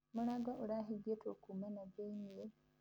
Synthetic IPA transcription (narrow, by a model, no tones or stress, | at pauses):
mulaɡaʔulaɦiɡetokumanaɡeɲie